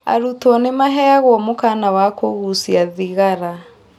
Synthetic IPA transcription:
a̰ɾutwɔnemaɦɛaɣwɔmokanawakoɣusiaðiɣaɾa

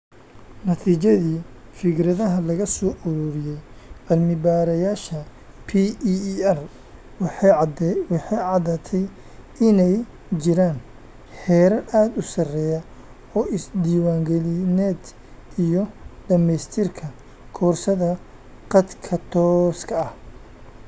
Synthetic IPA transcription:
nɐt̪ʰiːt͡ʃɐðiːfɪɡɾɐðɐɦɐlɐɣɐsɔːʔɔɾɔɾɪjɛjbɐlmɪbaːɾɐjaːʃɐ | pʰiɛr | wɑħɑjʕɑðaːt̪ʰɛj | ɪnɛj | t͡ʃɪɾaːn | hɛːɾɐrʔaːd̪ʊsɐrɛjɐ | ɔːʔɪsd̪iːwaːŋɡɛlɪnɛːd̪ | ijɔɖɐmɛjst̪ʰɪrkʰɐ | kʰɔːrsɐðɐ | qɑd̪kʰɐt̪ʰɔːskʰɐɐh

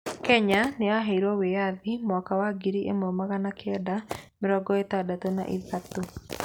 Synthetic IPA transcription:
kɛɲaneaɦaiɾɔwejaðimwɔkawaɡiɾiʔemomaɣanakɛdamɪɾɔɡɔetadatona̰ʔiðato

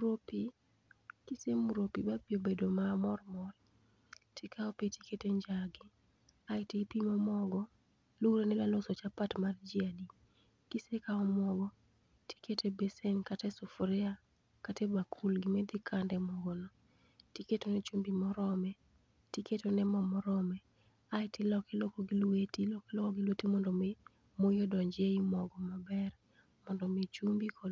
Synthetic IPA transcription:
ɾopi | kisemuɾopibapjobedomamɔrmɔl | tʰikʰaɔpiti̥keteɲd͡ʒaɡɪ | ajtipimɔmɔɡɔ | luɾenɛlalosɔt͡ʃapatmard͡ʒiadi | kisekaɔmɔɡɔ | ti̥ketebesɛnkatɛsɔfɾɪa | katebakʰulɡimɛd̪ɪkʰandɛmɔɡɔnɔ | tiketonɛt͡ʃumbimɔɾɔmɛ | tiketonɛmɔmɔɾɔmɛ | aɪtilɔkɛlokɔɡilwetilɔkɛlokɔɡɪlwetimɔndɔme | mojodɔɲd͡ʒeimɔɡɔmabɛr | mɔndɔmet͡ʃumbikʰɔ

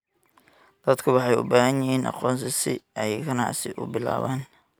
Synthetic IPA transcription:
d̪̥ɐd̪kʰʊwɑħɑjʊ̰baːɦɐnjɪɦiːnʔɑ̰qɔːnsɪsɪɛjkʰɐnɑ̰ʕsɪʔʊ̰bɪla̰ːβaːn

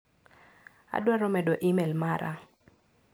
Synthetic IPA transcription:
a̰dwaɾɔmɛdoʔimɛlmaɾa̰

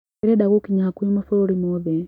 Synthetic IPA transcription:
ɛɾɛɗaɣukiɲahakuimɔfɔɾimɔðɛ

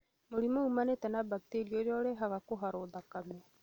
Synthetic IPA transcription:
moɾimoumanetɛnabakteɾioɾeɔɾeɦaɣakoɦaɾoːðakamɛ

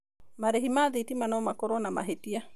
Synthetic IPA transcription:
maɾeɦimaðitimanɔmakɔɾɔnama̰ɦetia

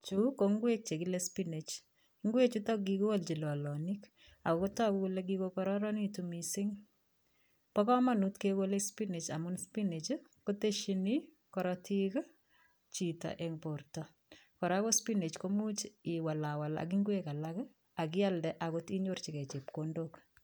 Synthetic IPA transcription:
t͡ʃukoŋɡwek̚t͡ʃekɪlespinet͡ʃ | iŋɡwet͡ʃutɔɡikowalt͡ʃilɔlɔnik | akɔkɔtakukuleɡ̬ikokɔɾɔɾɔnitumisɪŋ | pɔkɔmanutkekolespinet͡ʃa̰mʊnspinet͡ʃkoteʃini | kɔɾɔtʰik | t͡ʃita̰ʔeŋportɔ | kɔɾakospinet͡ʃkomut͡ʃiwalawala̰k̬iŋɡwekalak | ak̬ialdɛʔakotiɲort͡ʃikɛt͡ʃepkondok

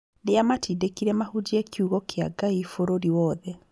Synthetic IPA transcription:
neamatiːdekiɾɛmahud͡ʒiekʰjuɣɔkeaɡaifoɾoɾiwɔːðɛ

